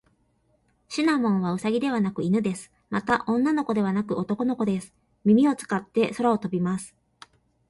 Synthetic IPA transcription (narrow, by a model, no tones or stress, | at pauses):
ɕinamõ̞ɰ̃βaɯ̟saɡʲid̪e̞βanakɯ̟inɯ̟d̪e̞sɨ̥ | mat̪aʔõ̞nːano̞ko̞d̪e̞β̞anakɯ̟o̞t̪o̞ko̞noko̞d̪e̞sɨ̥ | mʲimʲio̞t͡sɨ̥kat̪ːe̞so̞ɾao̞t̪o̞bʲimasɨ̥